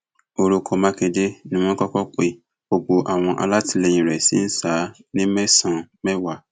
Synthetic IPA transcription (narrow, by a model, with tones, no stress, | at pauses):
o˧ɾo˧kʰɔ˧mã˦ke˧de˦nĩ˦w̃ɔ̃˦kɔ˦kɔ˦k͡pe˦ | bo˧ɡ͡bo˧ʔa˨w̃ɔ̃˧ʔa̰˧la˦ti˧le˧j̃ĩ˨ɾɛ˨si˨˦n̩˦sa˨˦nĩ˦mɛ˦sã˨mɛ˦wa˦˨